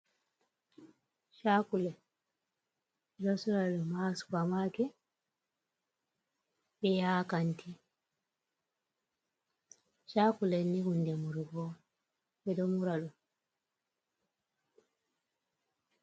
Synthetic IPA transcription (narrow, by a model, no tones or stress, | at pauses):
ʃakulɛ | ɛdɔsuɾalumaːsu̥kamakɛ | bɛjaːkantʰi | ʃakulɛniɡundɛmuɾuɡɔ | bɛdɔmuɾalu